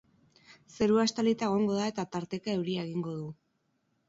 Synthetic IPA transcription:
se̞ɾuast̪alit̪aeɣ̞o̞ŋɡo̞ð̞ae̞t̪at̪aɾt̪e̞kae̞wɾiae̞ɣ̞iŋɡo̞ðuu

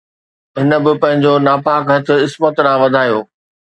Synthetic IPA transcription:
ɦɪnə̆bɪpɐ̃ɦɪ̃ɲd͡ʑonaːpaːkɦɐt̪ʰʊ̆ɪsmət̪ɾãːʋɐd̪ʱaːjoː

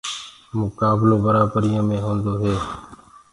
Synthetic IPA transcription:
mʊkaːbloːbəɾaːbəɾijãːmẽːɦõːnd̪oːɦeː

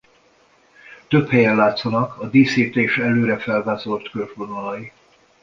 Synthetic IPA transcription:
t̪ø̞phɛjɛnlaːt̪sonɒkɒd̪iːsiːt̪eːʃɛløːɾɛfɛlvaːzo̞lt̪kølʒbonolɒji

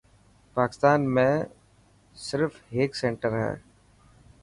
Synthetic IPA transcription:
paːkɪ̥st̪aːnmẽ | sɪɾfeːksɛ̃ɳʈəɾɦɛ̰ː

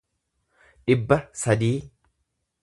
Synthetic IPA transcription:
ᶑɪbːɐsɐd̪iː

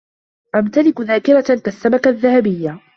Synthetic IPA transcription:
ʔamt̪alɪkðaːkɪɾakasːamakaðːahabɪjːa

